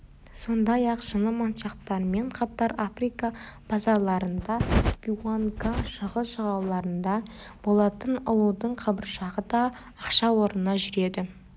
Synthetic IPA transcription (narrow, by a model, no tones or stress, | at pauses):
so̞nd̪ɑjɑqʒənəmonʃɑqt̪ɑɾme̞ɴqʰɑt̪ɑɾafrijkɑb̥ɑzɑlˠɑɾənd̪ɑpʲiwaŋkɑʃəʁəsʃəʁɑwlˠɑɾənd̪ɑb̥o̞lˠɑt̪ənʊlˠud̪əɴqʰɑbəɾʃɑʁəd̪ɑː | qʃɑwo̞ɾənɑʒʏɾe̞d̪ɪ